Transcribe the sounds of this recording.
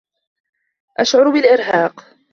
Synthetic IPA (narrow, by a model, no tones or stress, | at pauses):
ʔaʃʕʊɾbɪlʔɪɾɦaːq